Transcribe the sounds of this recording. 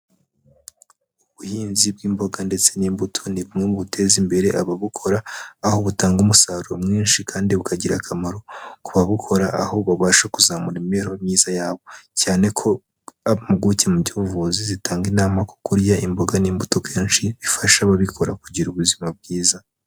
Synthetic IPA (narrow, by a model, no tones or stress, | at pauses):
uβuhiːnzib̚ɡiːmbo̞ɡande̞t͡se̞niːmbutʰo̞niβumŋemuβutʰe̞zimbe̞ɾe̞ʔaβaβukʰo̞ɾaːho̞βutaːŋɡumusaːɾuɾomŋiːnʃikaːndiβukʰaɟiɾakʰamaɾo̞kuβaβukʰo̞ɾaʔaho̞βaβaːʃakuzamuɾimeɾho̞mɲiːzajaːβo̞caːne̞kʰo̞ | aβamuɡucemuɟiuvuzizitaːŋɡinaːmako̥kuɾɟaʔimbo̞ɡaniːmbuto̞kʰeːnʃiβifaʃaβaβikʰo̞ɾakuɟiɾuβuzimab̚ɡiːza